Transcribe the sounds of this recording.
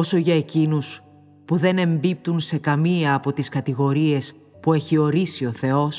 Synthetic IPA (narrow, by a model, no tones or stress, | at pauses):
o̞so̞ʝɐe̞cinus | puðe̞ne̞mbip̚t̪unse̞kɐmiɐːpo̞t̪iskɐt̪iɣo̞ɾie̞s | pue̞çio̞ɾisio̞θe̞o̞s